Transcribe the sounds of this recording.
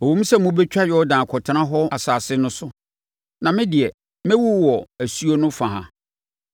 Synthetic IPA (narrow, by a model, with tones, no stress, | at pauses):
o˨wõ˦m̩˦sɛ˦mũ˦bɛ˦t͡ɕᶣa˦jɔ˦ɔ˦dãː˨kʰɔ˨tʰnã˦ɦɔ˦a˨saː˨sɪ˦nʊ̃˦sʊ˦ | nã˨mɪ̃˦dɪ˨ɛ˨ | mɛ̃˦wu˦˨wɔ˨æ˨su˦o˦nʊ̃˦fã˨ɦã̰˨